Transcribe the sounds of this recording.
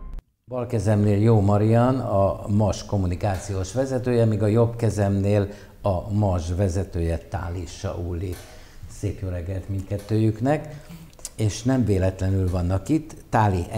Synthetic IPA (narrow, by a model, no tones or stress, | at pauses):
bɒlkɛzɛmneːljoːmɒɾijɒnɒmɒʃko̞mːunikaːt̪sijoːʃʋɛzɛt̪øːjɛmiːɡɒjo̞bkɛzɛmneːl | ɒmɒʒvɛzɛt̪øːjɛt̪a̰ːliʃːɒ̰ʔuːlːi | seːkjoːɾɛɡːɛlt̪minkɛt̪ːøːjyknɛk | eːʃnɛɱveːlɛt̪lɛnylvɒnːɒkit̪ːaːliʔ